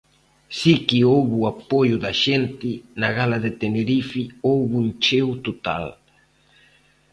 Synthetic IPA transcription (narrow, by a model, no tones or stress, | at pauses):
sikiowβuapojʊðaʃent̪ɪnaɣalaðet̪eneɾifiowβunt͡ʃewt̪ot̪a̰l